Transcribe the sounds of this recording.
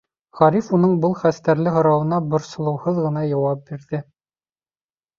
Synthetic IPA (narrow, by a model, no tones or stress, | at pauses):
ʁɑɾifunɤɴbɤlˠχæst̪æɾlɘɦŏɾɑwɤ̆nɑbŏɾsŏlˠɤ̆whɤðʁɤ̆nɑjɑwɑp̚biɾðɘ